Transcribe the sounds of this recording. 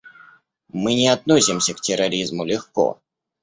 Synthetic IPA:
mɨnʲɪat̪nosʲɪmsʲəktʲɪɾɐɾʲizmʊlʲɪxkɔ̰

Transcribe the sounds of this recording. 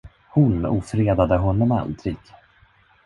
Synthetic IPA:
hʊnṵːfɾeːd̪ad̪əɦɔnːɔma̰nd̪ɾɪɡ

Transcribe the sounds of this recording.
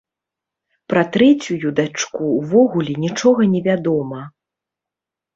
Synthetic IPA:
pɾɐt̪ɾɛt͡sʲujud̪at͡ʂkuwvɔɣulʲɛnʲit͡ʂɔɣɐnʲɛvʲad̪ɔmɐ

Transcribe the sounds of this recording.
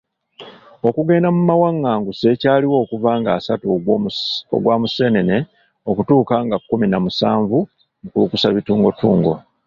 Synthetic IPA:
okuɡe̞ːndamumawaŋːaːŋɡuse̞caːliwo̞ːkuvaːŋɡaːsatu | o̰ɡwaːmuse̞ːne̞ne | o̞kutuːkaːŋɡakːuminamusaːɱvu | kukusaβituːŋɡo̞tuːŋɡo̞̰

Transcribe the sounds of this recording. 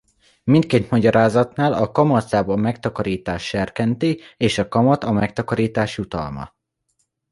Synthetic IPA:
mint̪̚keːt̪mɒɟɒɾaːzɒt̪naːlɒkɒmɒt̪saːbɒmɛkt̪ɒkɒɾiːt̪aːʃːɛrkɛnt̪ieːʃɒkɒmɒt̪ɒmɛk̚t̪ɒkɒɾiːt̪aːʃjut̪ɒ̰lmɒ̰

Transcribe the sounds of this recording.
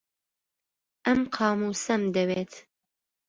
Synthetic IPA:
ʔɐmqʰɑːmuːsɐmd̪ɐweːt̪

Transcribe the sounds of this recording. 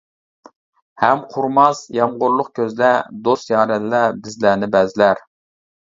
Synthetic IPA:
hɛmqʰʊɾmɑsjɑmʁʊɾlˠʊqkʲʰøzlɛd̪ost̪jɑːɾɛllɛbɪzlænɪbɛzɪlæɾ

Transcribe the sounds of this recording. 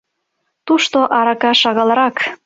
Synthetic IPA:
t̪uʃt̪oʔɑɾɑkɑʃɑɣɑlˠɤɾɑk

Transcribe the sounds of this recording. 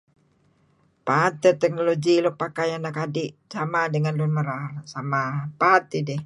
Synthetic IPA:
pat̪ɛt̪ɛk̚noloɡilɔk̚pakajanakadisamadəŋanlunməɾaɦlsamapat̪idɛh

